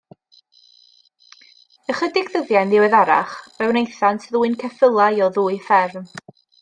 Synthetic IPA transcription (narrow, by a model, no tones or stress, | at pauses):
əχədɪɡðəðjanðɪwɛðaɾa̰χb̥ɛwnejθantʰðuːɨnkʰɛfəlˠajɔðuːɨjfɛrn